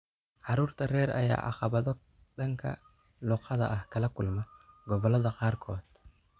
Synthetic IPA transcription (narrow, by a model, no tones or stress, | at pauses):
ʕɑɾuːrt̪ʰɐrɛːɾɐ̰ja̰ːʔɐ̰χɑβɐðɔ | ɗɐŋkʰɐ̰ | lʊqɐðɐ̰ʔɐhkʰɐlɐkʊlmɔɡɔβɔlɐðɐqɑːrkʰɔːd̪